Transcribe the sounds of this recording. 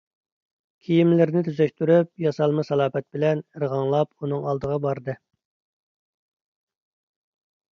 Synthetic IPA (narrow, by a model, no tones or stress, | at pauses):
kʲʰijimlɪɾnɪt̪ʰyzɛkʲt̪yɾyp̚jɑsɑlˠmɨsɑlˠɑːpɛt̪̚bɪlɛnɨɾʁɑŋlˠɑpunɨŋɑlˠd̪əʁɑbɑɾd̪ɨ